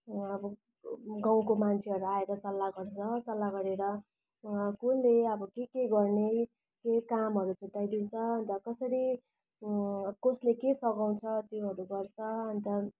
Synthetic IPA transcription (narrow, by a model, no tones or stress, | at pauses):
ʌbʌ | ɡaw̃komant͡sʰeɦʌɾuaeɾʌsʌlːaɡʌrt͡sʰʌsʌlːaɡʌɾeɾʌ | kunleʌbʌkekeɡʌrne | kekamɦʌɾut͡sʰuʈːajd̪int͡sʰʌʌnt̪ʌkʌsʌɾi | koslekesʌɡaw̃t͡sʰʌt̪joɦʌɾuɡʌrt͡sʰʌʌnt̪ʌ